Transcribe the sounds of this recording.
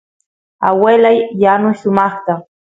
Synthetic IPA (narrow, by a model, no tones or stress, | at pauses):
a̰welajːanʊʃʊmɑχt̪a